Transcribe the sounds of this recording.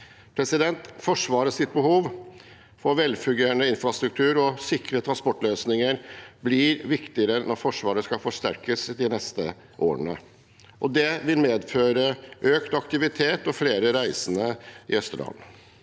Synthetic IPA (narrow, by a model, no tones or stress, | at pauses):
pʰɾɛsɪd̪ɛnt̪fɔʂʋɑːɾəsɪt̪̚bəhuːʋ | fɔɾʋɛlfʉɡeːəɳəɪnfɾɑst̪ɾʉk̚t̪ʰʉːɾɔsɪkɾət̪ʰɾɑnspɔʈːløːsnɪŋəɾblɪɾʋɪkt̪ɪəɾənɔɾfɔʂʋɑːɾəskɑfɔʂt̪æɾkəsd̪ɪnɛst̪ə | ʔoːə̰ɳə̰ | ʔɔd̪ɛʋɪlmeːd̪føːɾəʔøːkt̪ɑkt̪ɪʋɪt̪ʰeːt̪ɔfleːɾəɾæɪsənəɪœst̪əɖɑ̰n